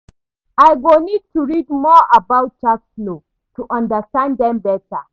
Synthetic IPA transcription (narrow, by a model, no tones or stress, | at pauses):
ajɡonid̚tʰuɹidmɔʔabawt̚t͡ʃakslo | tuʔãndəstãnddɛ̃mbɛtə̰